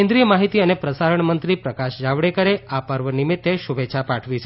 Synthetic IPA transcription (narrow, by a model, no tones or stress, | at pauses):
end̪ɾijəmaɦit̪iənepɾəsaɾəɳmənt̪ɾipɾəkaʃd͡ʒaʋɽekəɾeapəɾʋənimit̪ːeʃubeːʃʰapaʈʰʋit͡ʃʰ